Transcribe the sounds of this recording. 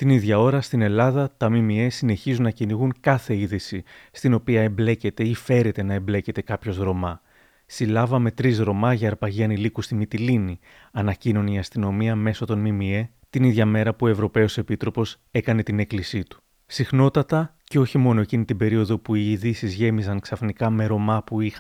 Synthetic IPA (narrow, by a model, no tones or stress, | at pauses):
t̪iniðʝɐo̞ɾɐst̪ine̞lɐðɐt̪ɐmimie̞sine̞çizunːɐciniɣuŋkɐθe̞iðisist̪ino̞piɐe̞mble̞ce̞t̪e̞ife̞ɾe̞t̪e̞nɐe̞mble̞ce̞t̪e̞kɐpço̞zɣɾo̞mɐ | silɐvɐme̞t̪ɾizɾo̞mɐʝɐːɾpɐʝiɐnilikust̪imit̪ilini | ɐnɐcino̞niɐst̪ino̞miɐme̞so̞t̪o̞nmimie̞ | t̪iniðʝɐme̞ɾɐpuo̞e̞vɾo̞pe̞o̞sepit̪ɾo̞po̞s | e̞kɐne̞t̪ine̞klisit̪u̥ | sixno̞t̪ɐt̪ɐ | ce̞o̞çimo̞no̞ecinit̪ibe̞ɾio̞ðo̞puiːðisizʝe̞mizɐŋksɐfnikɐme̞ɾo̞mɐpuix